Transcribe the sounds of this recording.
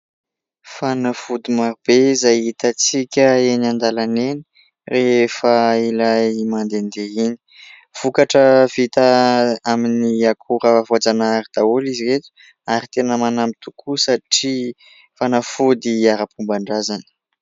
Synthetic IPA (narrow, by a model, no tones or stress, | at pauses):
fanafud̪imaɾubezajit̪at͡sikʲəenand̪alaneni̥ | refəilajmand̪end̪eini̥ | v̥ukaʈ͡ʂəv̥it̪əaminiakʰuɾəvad͡zanaaɾid̪̥auliziɾet̪u̥ | aɾit̪enəmanambit̪ukʰusaʈ͡ʂi | fanafud̪iaɾəpumbaɳɖ͡ʐazanə̥